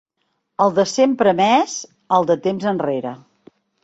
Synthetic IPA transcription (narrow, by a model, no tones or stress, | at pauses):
əlˠd̪əsempɾəmɛz | əlˠd̪ət̪emzənreɾə